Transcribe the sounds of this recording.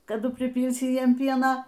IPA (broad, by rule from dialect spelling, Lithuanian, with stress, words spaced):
kɐˈdʊ pʲrʲɪˈpʲiːlʲsʲɪ ˈjiɛm ˈpʲiɛnɐ